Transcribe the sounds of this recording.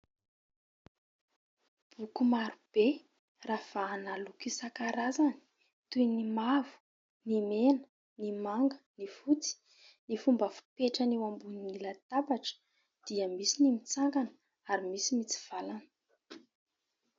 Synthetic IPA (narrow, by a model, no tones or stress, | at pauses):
b̥ukumaɾub̥e | rafaːnalukisakaɾazani̥ | t̪ujnimavu̥ | nimenə̥ | nimaŋɡə̥nifut͡si̥ | nifumbəfu̥peʈ͡ʂənewambuninnilat̪abaʈ͡ʂə̥ | d̪̥iəmisinimit͡saŋɡanə̥ | aɾimisimit͡si̥v̥alanə